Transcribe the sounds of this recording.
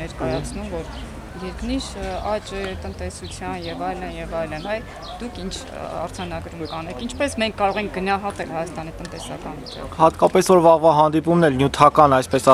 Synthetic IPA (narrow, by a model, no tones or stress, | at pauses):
ɛɾkɑjɑt͡sʰnumvɔɾ | jɛɾkniʃɑt͡ʃɛt̪ənt̪ɛsut͡sʰjɑnjɛvɑjlənjɛvɑjlənɑj | d̪ukʰint͡ʃʰ | ɑ̰ɾd͡zʰɑnɑɡɾumkɑnɛkʰint͡ʃʰpɛsmɛŋkʰkːɑɾɔʁɛŋk̚ʰɡənɑɦɑt̪ɛlhɑjɑst̪ɑnit̪ənt̪ɛsɑkɑnvit͡ʃʰɛ̰hɑt̪kɑpɛsvɔɾvɑʁvɑɦɑnd̪ipumnɛlnjut̪ʰɑkɑnɑjspɛsɑ